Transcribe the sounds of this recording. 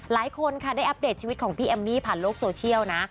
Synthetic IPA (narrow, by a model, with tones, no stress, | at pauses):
laː˨˩˦jkʰo˧nkʰa˥˩daː˥˩ʔa˦˥deː˨˩t̪̚t͡ɕʰi˧wt̪̚kʰɔː˩˦pʰiː˧ʔe˧mniː˥˩pʰaː˨˩nloː˥˩k̚soː˧t͡ɕʰi˥˩əwna˦˥